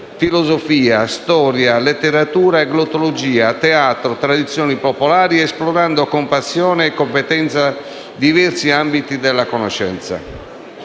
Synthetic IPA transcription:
filozofiːast̪ɔːɾjalet̪ːeɾat̪uːɾaeɡlot̪olod͡ʒiːat̪ɛaːt̪ɾot̪ɾad̪it̪sːjɔːnipopolaːɾiɛsplɔɾand̪okompasːjɔːneːkːompɛt̪ɛnt̪sa | d̪ivɛrsiambit̪id̪ɛlːakonoʃɛ̰nt̪sa̰

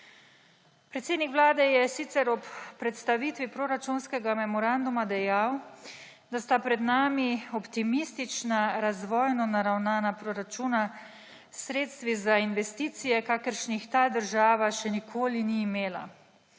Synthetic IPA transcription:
pɾɛt̪seːd̪nikʋlaːd̪ɛjɛsit̪sɛɾɔpːɾɛt̪st̪aʋiːt̪ʋipɾoɾat͡ʃunskɛɡamɛmɔɾand̪umad̪ɛjaw | d̪ast̪apɾɛd̪naːmiɔpt̪imist̪it͡ʃnaɾazʋɔːjnɔnaɾawnaːnapɾoɾat͡ʃuːna | sɾeːt̪st̪ʋizainʋɛst̪iːt̪sijɛkaːkəɾʃnixt̪aːd̪əɾʒaːʋaʃɛnikʰoːliniːmeːla̰

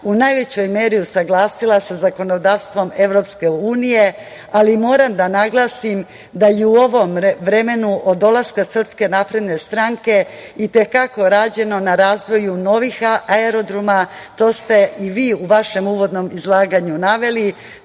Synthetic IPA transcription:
unajʋe̞t͡ɕo̞jme̞ːɾiusaɡlˠaːsilˠasazako̞no̞d̪aːʋst̪ʋo̞me̞ʋɾo̞pske̞uːnije̞ | alimo̞ːɾamd̪anaɡlˠaːsim | d̪ajeuo̞ʋo̞mʋɾe̞me̞nuʔod̪o̞lˠaskasr̩pske̞naːpɾe̞d̪ne̞st̪ɾaŋke̞ | it̪e̞kako̞ɾaːd͡ʑe̞no̞naɾaːzʋo̞juno̞ʋixaaeɾo̞d̪ɾumat̪o̞ːst̪e̞iʋiːuʋaʃe̞muːʋo̞d̪no̞mizlˠaːɡaɲunaʋe̞li

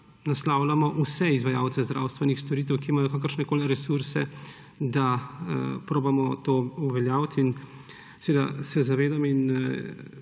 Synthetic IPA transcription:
naslaːwlamɔʔusɛizʋajaːwt̪sɛzd̪ɾʔaːwst̪ʋɛnixst̪ɔɾiːt̪̬ɛwkiːmajɔkakəɾʃnɛkoːliɾɛsuɾsɛ | d̪a | pɾoːbamɔt̪oːuʋɛljaːwt̪in | sɛʋeːd̪a̰sɛzaʋeːd̪amin

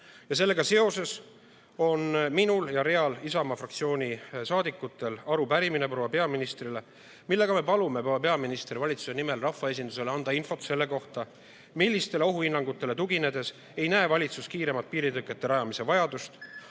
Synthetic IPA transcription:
jɑs̬e̞lːeɡ̥ɑse̞o̞se̞s | o̞nminuljɑɾe̞ɑlisɑmɑfrɑk̚t̪sio̞ːnʲisɑːd̪ikːˑut̪ːˑe̞lɑɾupæɾimine̞pɾo̞wɑpe̞ɑminist̪rile̞ | milːe̞ɡ̥ɑme̞pɑlume̞pɾowːɑpe̞ɑminist̪ɾivɑlʲit̪su̥se̞nime̞lrɑfːɑe̞s̬ʲind̪̥use̞leɑnd̪̥ɑinfo̞t̪se̞lːe̞ko̞ht̪ɑ | milːist̪e̞leo̞ɦuinːɑŋɡ̥ut̪ːˑe̞le̞t̪uɡ̥ine̞d̪e̞s | ejnæevɑlʲit̪suskiːɾe̞mɑt̪̚piːɾit̪ɯkːˑe̞t̪ːe̞ɾɑjɑmise̞vɑjɑd̪ust̪

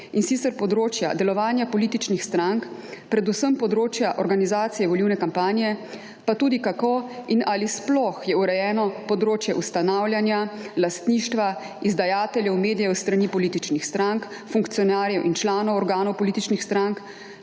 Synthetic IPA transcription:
insiːt̪sɛɾpɔd̪ɾoːt͡ʃja̰d̪ɛlɔʋaːnjapɔliːt̪it͡ʃnixst̪ɾaŋkpɾɛd̪usəmpɔd̪ɾoːt͡ʃjaʔɔɾɡanizaːt̪sijɛʋɔliwnɛkampaːnijɛ | pat̪uːd̪ikakoinalisplɔxjɛuɾɛjɛːnɔpɔd̪ɾoːt͡ʃjɛʔust̪anaːwljanjalast̪niːʃt̪ʋa | izd̪ajaːt̪ɛljɛwmeːd̪ijɛwst̪ɾanipɔliːt̪it͡ʃnixst̪ɾaŋkfuŋkt̪sijɔnaːɾjɛwʔint͡ʃlaːnɔwɔɾɡaːnɔwpɔliːt̪it͡ʃnixst̪ɾaŋk

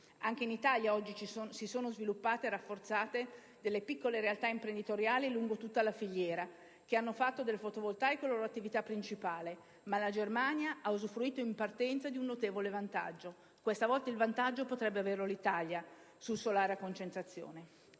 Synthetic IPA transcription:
aŋk̟einit̪aljaɔd͡ʒːit͡ʃsisoːnozvilupːaːt̪erafːort̪saːt̪e | d̪elːepikːoleɾealt̪aimpɾend̪it̪oɾjaːliluŋɡot̪ut̪ːalafiʎːɛːɾa | k̟eanːofat̪ːod̪elːefot̪ovolt̪ajkoloːɾoat̪ːivit̪apːɾint͡ʃipaːle | malad͡ʒermanjaʔaozufɾuiːt̪oimpart̪ɛnt̪sad̪iunːot̪eːvolevant̪a̰d͡ʒːo | kwest̪avɔlt̪ailvant̪ad͡ʒːopot̪ɾɛbːeaverlolit̪alja | sulsolaːɾakont͡ʃent̪ɾat̪sːjo̰ːne

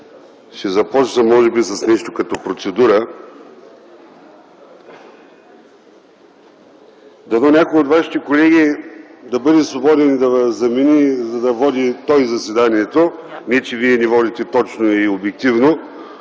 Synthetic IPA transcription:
ʃɛzɐpɔt͡ʃnɐmɔʒɛbisɐsnɛʃt̪okɐt̪ɔpɾot̪sɛd̪uɾə | d̪ɐd̪ɔnʲakojot̪vaʃi̥t̪ɛkolɛɡ̟ʲid̪ɐbɤd̪ɛsvobɔd̪ɛnid̪ɐvzɐmɛnizɐd̪ɐvɔd̪it̪ɔjzɐsvɛd̪aniɛt̪onʲit͡ʃɛviɛnɛvɔd̪it̪ɛt̪ɔt͡ʃnoiobjɛk̚t̪ivno

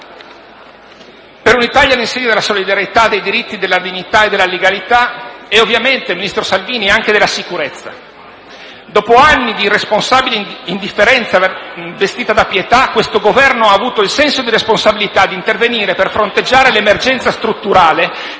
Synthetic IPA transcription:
peɾunit̪aʎjalinseɲːod̪elasolid̪aɾjet̪ad̪ːejd̪iɾit̪ːid̪elːad̪iɲːit̪aed̪elːaleɡalit̪aɛovːjament̪eminist̪ɾosalviːniaŋk̟ed̪elasikuɾet̪sːa̰ | d̪ɔːpoanːid̪iresponsaːbileind̪ifːeɾɛnt̪savest̪iːt̪ad̪apjet̪akːwest̪oɡovɛrnoaːvuːt̪oilsɛnsod̪iɾesponsabilit̪ad̪ːint̪erveniːɾeperfɾont̪ed͡ʒːaːɾelemerd͡ʒɛnt̪sast̪ɾut̪ːuɾaːle

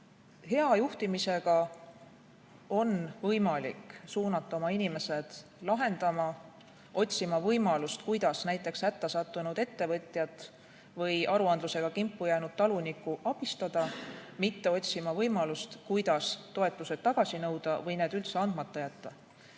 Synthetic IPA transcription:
he̞ɑjuht̪imise̞ɡ̥ɑ | o̞nvɤjmɑlḭksuːnɑt̪ːˑɑo̞mɑinime̞se̞d̪̥ | lɑɦe̞nd̪̥ɑmɑ | ʔo̞t̪ʲsimɑvɤjmɑlust̪kujd̪̥ɑsnæjt̪ːˑe̞kshæt̪ːɑsɑt̪ˑːunud̪̥e̞t̪ːe̞vɤt̪ʲˑjɑt̪ˑ | vɤjʔɑɾuɑnd̪luse̞ɡ̥ɑkimpːujæːnud̪̥̚t̪ɑlunikːˑuʔɑb̥ist̪ɑd̪̥ɑmit̪ːe̞o̞tʲsimɑvɤjmɑlust̪kujd̪ɑst̪o̞e̞t̪ːˑuse̞d̪̥̚t̪ːɑɡ̥ɑsinɤwd̪̥ɑvɤjneːd̪̥ylt̪se̞ɑnd̪mɑt̪ːˑɑjæt̪ːɑ

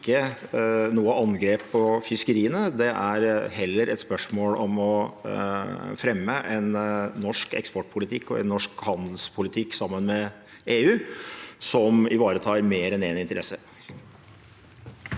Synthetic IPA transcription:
kːə | nuːəʔɑnɡɾeːpʰːɔfʏskəɾiːənəd̪ɛʔæɾɦɛlːəɾʔɛt̪spœʂmoːlɔmɔ | fɾɛmːəʔɛnːɔʂkɛ̰kspɔʈːpʰʊlɪt̪ʰɪkːɔɛ̰nːɔʂkhɑnd̪l̩spʰʊlɪt̪ʰɪkːsɑmːənmɛ | ʔeːʉːsɔmɪʋɑːɾət̪ʰɑːɾmeːɾɛneːnɪnt̪əɾʔɛsːə

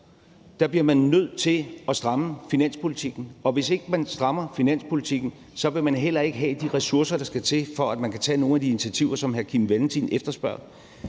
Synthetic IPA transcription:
d̥ɑ̈b̥liɐmænːøð̞̰ˠt͡sʰe̝lɒ̽sd̥ʁɑ̈məfinæn̰spʰo̝lit͡sʰiɡ̥n̩ɒ̽ʋe̝se̝ɡ̥əmænsd̥ʁɑ̈mɐfinæn̰spʰo̝lit͡sʰiɡ̥n̩ | sɒ̽ʋe̝mænɦel̰ɐe̝ɡ̥əɦɛd̥iʁɛsuɐsɐɾ̥ɑ̈sɡ̥æt͡sʰe̝fɒ̽æd̥mænkʰæt͡sʰɛ̰ːno̝ːn̩æd̥iinit͡sʰiæt͡sʰiʊ̰ɐsɒ̽mɦæɐkʰimʋeln̩t͡sʰinefd̥ɐsb̥ɶɐ̰ðˠ

